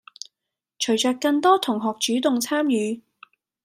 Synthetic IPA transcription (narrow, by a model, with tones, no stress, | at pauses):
t͡ʃʰɵ˨˩ɥt͡ʃœː˨˧kkːɐ˧ŋt̪ɔː˥t̪ʰʊ˨˩ŋɦɔː˨k̚t͡ʃyː˨˥t̪ʊ˨ŋt͡sʰaː˥mjyː˨˧